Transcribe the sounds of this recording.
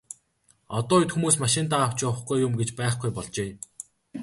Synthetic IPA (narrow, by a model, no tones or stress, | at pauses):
ɔt̪ɔːjʊt̪xumuːs̬maʃɪ̆nt̪aːw̥t͡ɕʊwə̆χɡujjʊmɡet͡ɕpæːχɡujpɔɮt͡ɕeː